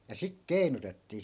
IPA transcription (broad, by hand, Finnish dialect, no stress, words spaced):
jɑ sik kei̯nutetːiː